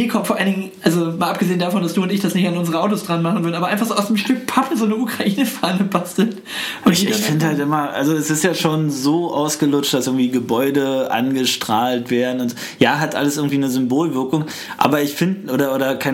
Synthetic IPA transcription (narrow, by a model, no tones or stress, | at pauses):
iːkʰɔmfɔɐʔalnɪɡŋn | alzomaːlʔapɡ̥əzeːəndafɔndasd̥uːʊntɪçd̥asnɪçtanʔʊnzəʁəʔaʊtosd̥ʁanmaχn̩vʏɐdnʔːbɐʔaɪfaχz̥oːʔaʊsd̥eːmʃtʏk̚pʰapʰl̩zoːnɛukʁ̥aʔiːnəfaːnəpastl̩t | ʔʊntiːɪfɪndəhaltʔɪmɐʔa̰lzoɛsɪstjaːʃoːnzoːʔaʊsɡ̥əlʊt͡ʃtd̥asʔɪɐɡŋ̩tv̥iːɡəbɔʏdəʔa̰nɡəʃtʁ̥aːltv̥eːɐdn̩ʊntz̥o | jaːɦatʔa̰ləsʔɪɐɡŋ̩tv̥iːnəzʏmboːlvɪɐkʊŋ | ʔa̰ːbɐɪçfɪndʔoːɾɐʔoːɾɐkʰa